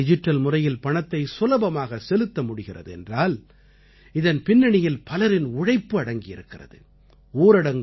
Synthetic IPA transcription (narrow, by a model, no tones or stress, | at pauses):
ɪd͡ʒɪʈːɐlmʊrɐjɪlpɐɳɐt̪ːɐɪsʊlɐbɐmaːɣɐsɛlɯt̪ːɐmʊɽɪɣɪrɐ̰ðɯɛ̰ndraːl | ɪðɐnpɪnːɐɳɪjɪlpɐlɐɾɪnʊɻɐɪpːɯɐɽɐŋɡɪjɪ̰ɾɯkːɪrɐ̰ðɯ̰ | oːɾɐɽɐŋ